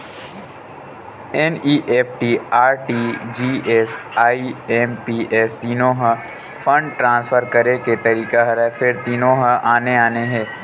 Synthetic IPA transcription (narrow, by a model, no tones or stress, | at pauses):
ɛniːʔeːpʈiːaːɾʈiːd͡ʒiːeːsaːiɛːmpiːeːst̪iːnõɦə | fʰə̃ɳɖʈɾãːnsfʰəɾkɐɾeket̪ɐɾiːkaɦɐɾafʰɪɾt̪iːnõɦəʔaːneaːneɦɛː